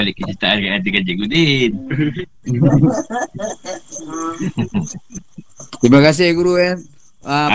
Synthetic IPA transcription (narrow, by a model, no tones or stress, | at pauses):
alɪʔkːət͡ʃit̪aʔankajad̪ikad͡ʒiɡudin | t̪imakas̬ɛhɡuɾujan | a